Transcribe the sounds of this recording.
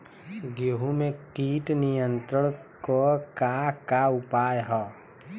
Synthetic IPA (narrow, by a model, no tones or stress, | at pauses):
ɡoɦumẽkiːʈnijə̃nt̪ɾəɽ̃kokakaʊpaːjɦɔː